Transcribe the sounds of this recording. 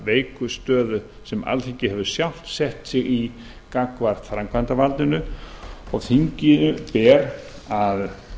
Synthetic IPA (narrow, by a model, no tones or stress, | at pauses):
veːjkʏst̪œːðʏ | sɛma̰lθiɲcɪhɛvʏ̥sjawl̥t̪sɛht̪sɪɣi | kakvaɾ̥t̪fɾaŋkʰvant̪avalt̪ɪnʏɔɣθiɲcɪʏpɛːɾað